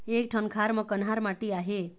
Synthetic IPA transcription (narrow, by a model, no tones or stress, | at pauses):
ek̚ʈʰənkʰaɾmʌkənɦaɾmaʈiaɦe